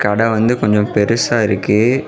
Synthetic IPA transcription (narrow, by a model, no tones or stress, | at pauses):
kɐɽɐʋɐnd̪ɯkɔɲd͡ʒɔ̃mpɛɾɯsaːɪɾɯkːɯ